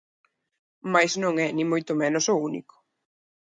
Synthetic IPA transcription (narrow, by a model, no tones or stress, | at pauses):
majznõŋɛnĩmojt̪ʊmɛnʊsounḭkʊ̥